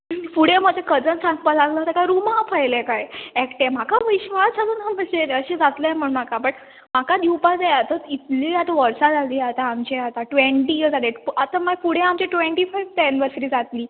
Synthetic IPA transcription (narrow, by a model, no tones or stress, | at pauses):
fuɽẽməd͡ʑ̪ʱekəd͡zənsãŋɡ̚pəlaɡlət̪akajɾumãpajlẽkajɛkʈẽm̤akaʋiɕʋasaluːnam̤əd͡ʑeɾəɕed͡zat̪lam̤əɳmakapəɳ | makad̪iwpad͡zajat̪əit̪liːat̪aʋəɾsad͡zaliːat̪aːmt͡ɕeat̪aʈʋeɳʈiəd͡zad̪eat̪amafuɽ̤ẽamt͡ɕeʈʋeɳʈifajʋt̪aniʋəɾsəɾiːd͡zat̪liː